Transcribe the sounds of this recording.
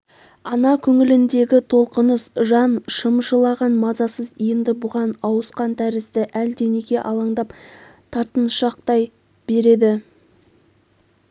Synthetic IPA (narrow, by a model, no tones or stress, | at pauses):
ɑnɑkʲʰɵŋɪlɪnd̪e̞ɡʲɪt̪ʰo̞lˠqənəsʒɑnʃəmʒəlˠɑʁɑnmɑzɑsəzijɪnd̪ɪbʊʁɑnɑwəsqɑnt̪ʰæɾɪst̪ɪʔæld̪e̞nekʲe̞ʔɑlˠɑɴd̪ɑpt̪ʰɑɾt̪ənʃɑq̚t̪ɑj | b̥e̞ɾe̞d̪ɪ